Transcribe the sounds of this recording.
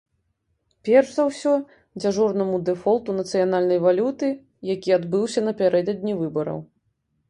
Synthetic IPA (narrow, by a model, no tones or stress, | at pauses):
pʲɛrʂzawsʲɔ | d͡zʲaʐɔrnɐmud̪ɛfɔlˠt̪unɐt̪sɨjanalʲnɐjvalʲut̪ɨ | jakʲiad̪bɨwsʲɐnɐpʲaɾɛd̪ɐd̪ʲnʲivɨbɐɾɐ̰w